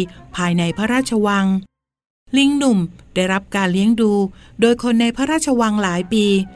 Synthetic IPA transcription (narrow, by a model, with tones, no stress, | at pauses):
pʰaː˧jna˧jpʰaː˦˥ɾaː˥˩t̪̚t͡ɕʰa˧wa˧ŋ | li˧˥ŋnu˨˩md̥a˥˩jɾa˦˥p̚kaː˧nli˦˥əŋduː˧doː˧jkʰo˧nːa˧jpʰaː˦˥ɾaː˥˩t̚t͡ɕʰa˧wa˧ŋlaː˩˦jpiː˧